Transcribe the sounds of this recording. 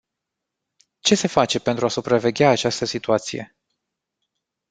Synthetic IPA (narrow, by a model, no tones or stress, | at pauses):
t͡ʃe̞se̞fat͡ʃe̞pe̞nt̪ɾuasupɾave̞ɡʲaːt͡ʃast̪əsit̪uat̪sije̞̰